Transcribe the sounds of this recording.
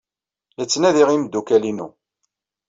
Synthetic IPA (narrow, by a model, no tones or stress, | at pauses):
lət͡sːnæðiʁimd̪ːukælinṵ